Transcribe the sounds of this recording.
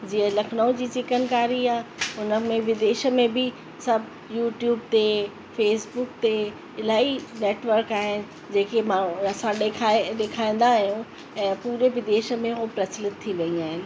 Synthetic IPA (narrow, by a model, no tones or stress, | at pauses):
d͡ʑiːə̃lɐkʰnəʊ̃d͡ʑiːt͡ɕɪkənkaːɾiaːʊnəmẽʋɪd̪eːʃə̆mẽbʱɪ | sɐbʱ | juːʈjuːb̚t̪e | feːsbʊk̚t̪e | ɪlaːineːʈʋəɾkaːɦɪnɪ̆ | d͡ʑeːkemaːɐsãekʰaɗeːkʰaːĩn̆d̪aːɦjũ | ɛ̃ːpuːɾeʋɪd̪eːʃə̆mẽɦopɾɐslɪt̪ʰːiʋɐiaːɦɪnɪ̆